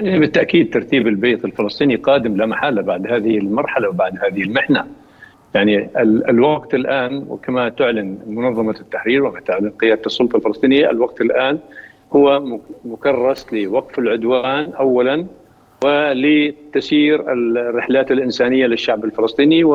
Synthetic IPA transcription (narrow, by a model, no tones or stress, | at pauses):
janibɪt̪ːaʔkiːd̪̚t̪ːɑɾˤt̪iːbɪlbeːt̪ɪlfɪlɑsˤt̪ˤiːniqɑːd̪ɪmlamaħalːabaʕd̪haːðɪhɪlmɑɾˤħalawbaʕd̪haːðɪhɪlmɪħna | jaʕniɪlɪ̰lwɑɡt̪ɪlʔaːnwɪ̰kamat̪ʊʕlɪnmʊnɑðˤːɑmat̪ːaħɾiːɾwamat̪ʊʕlɪnqɪjaːd̪at̪sˤːʊlt̪ˤɑlfɪlɑsˤt̪ˤiːnɪjːaɪ̰lwɑɡ̚t̪ɪlʔaːn | hʊwːamʊkɑrˤːɑslɪwɑqfɪlʕʊd̪waːnʔawːalan | wɪlɪt̪asiːɾɪlrːɪħlaːt̪ɪlʔɪnsaːnɪjːalɪʃːaʕbɪlfɪlɑsˤt̪ˤiːniw